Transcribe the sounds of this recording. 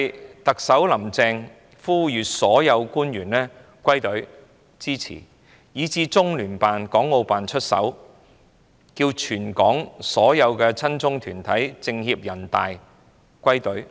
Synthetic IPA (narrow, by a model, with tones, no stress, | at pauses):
jt̪ɐ˨k̚sɐ˨˥wlɐ˨˩mt͡sɛː˧ŋ | fuː˥jyː˨t̚sɔː˨˥jɐ˨˧wkuː˥njyː˨˩nlɛː˥ | kʷwɐ˥jt̪ɵ˨˥ɥ | t͡siː˥t͡sʰḭː˨˩ | jiː˨˧˥t͡siː˧t͡sʊ˥ŋlyː˨˩npaː˨nkɔː˨˥ŋːo˧wpaː˨nt͡ʃʰɵ˥t̚sɐ̰˨˥w | kiː˧wt͡ʃʰyː˨˩nkɔː˨˥ŋsɔː˨˥jɐ˨˧wkɛː˧t͡sʰɐ˥nt͡sʊ˥ŋt̪ʰyː˨˩nt̪ʰɐ˨˥jt͡sɪ˧ŋhiː˧p̚jɐ˨˩nt̪aː˨j | kʷɐ˥jt̪ɵ˨˥ɥ